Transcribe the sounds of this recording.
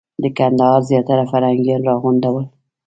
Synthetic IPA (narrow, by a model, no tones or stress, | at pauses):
d̪əkand̪ɑɦɑɾzjɑt̪aɾafaɾhaŋɡijɑnɾɑɣund̪awəl